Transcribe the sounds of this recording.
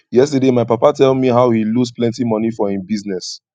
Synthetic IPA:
jɛstədemaɪpapatɛldmiɦaʊhilusplɛ̃ntimɔnifɔĩmbiznɛs

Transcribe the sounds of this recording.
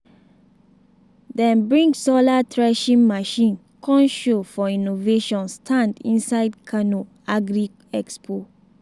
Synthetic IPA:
d̪ɛ̃nbɹĩŋɡsɔlatʰɾɛʃĩŋmaʃĩn | kʰɔ̃nʃofɔĩnoveʃɔ̃nstʰãndḭ̃nsaɪd̚kʰano | aɡɾi | ɛkspʰo

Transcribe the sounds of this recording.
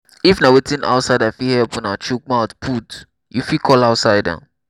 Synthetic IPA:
ifnawetĩna̰ʊtsaɪdafihɛlpɔ̃nat͡ʃuk̚maʊtpʰut | jufikʰɔlaʊtsaɪda̰

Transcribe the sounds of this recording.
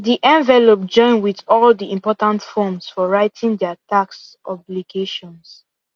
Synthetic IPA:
diʔɛ̃ɱvɛlop̚d͡ʒɔ̃ɪ̃nwiðɔldiĩmpɔtãntfɔmsfɔɹaɪtʰĩŋdɛataks | ɔbliɡeʃɔ̃ns

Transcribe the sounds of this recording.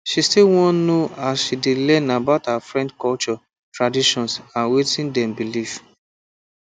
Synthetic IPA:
ʃistilwɔ̃nnoasʃidilɛ̃nabaʊthafɹɛ̃ndkɔlt͡ʃɔ | tɹadiʃɔ̃nsãnwetĩndɛ̃mbilif

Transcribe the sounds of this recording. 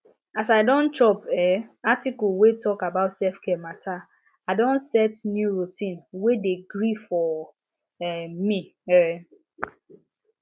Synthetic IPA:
asaɪdɔ̃ntʰɹɔpɛatikɔlwetʰɔkabaʊtsɛfkʰɛmatʰa | aɪdɔ̃nsɛtnjuɹutʰĩnwedeɡɹifɔ | ɛmiɛ

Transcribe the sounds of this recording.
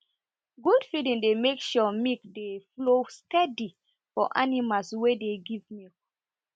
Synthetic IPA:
ɡudfilĩŋdemekʃɔmikdeflostɛdi | fɔ̰ʔanimalswedeɡivmuk̚

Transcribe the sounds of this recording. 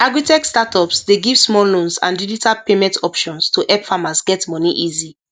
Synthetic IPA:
aɡɹitɛkstatʰɔpsdeɡivsmɔlõnsã̰ndid͡ʒitʰalpemɛ̃ntʰɔpʃɔ̃nstʰuʔɛpfamasɡɛtmɔniʔizi

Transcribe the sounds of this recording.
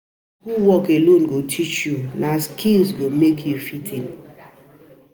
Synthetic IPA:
huwɔkelõnɡotʰit͡ʃjulaskʰĩnzɡomekʰjufitʰĩn

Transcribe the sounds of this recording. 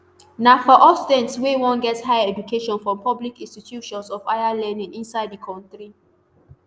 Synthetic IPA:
nafɔʔɔstɛ̃nswewɔ̃nɡɛthaɪɛd͡ʒukʰeʃɔ̃nfɹɔ̃mpɔblikĩnstitʰjuʃɔ̃nsɔvaɪalɛ̃nĩŋĩnsaɪdðəkʰɔ̃ntɹi

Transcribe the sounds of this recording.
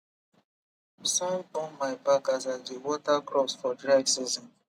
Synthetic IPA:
sãndɔ̃nmaɪbakazazdewɔtakɹɔsfɔdɹaɡsizɔ̃n

